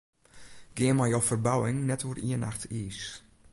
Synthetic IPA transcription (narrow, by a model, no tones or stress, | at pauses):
ɡ̥ɪənmajowfərbawɪŋnɛtʋoriənʔa̰xtʰiːs